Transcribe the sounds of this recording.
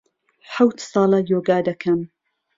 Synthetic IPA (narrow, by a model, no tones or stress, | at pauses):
ħawt̪sɑːlɐjoːɡaːd̪ɐkʰɐm